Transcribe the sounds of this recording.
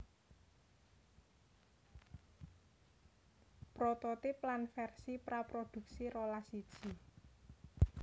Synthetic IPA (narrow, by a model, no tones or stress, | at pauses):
pɾot̪ot̪ɪplanfɛrsipɾapɾod̪̥ṳk̚siɾolasid̥ʒ̥i